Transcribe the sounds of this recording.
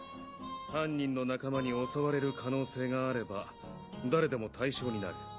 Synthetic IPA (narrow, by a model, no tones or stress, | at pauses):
hãɲ̟ːĩnːo̞nakamaɲ̟io̞saβaɾe̞ɾɯ̟kʰano̞ːse̞ːɡaːɾe̞ba | d̪aɾe̞d̪e̞mo̞t̪ʰaiɕo̞ːɲ̟ina̰ɾɯ̟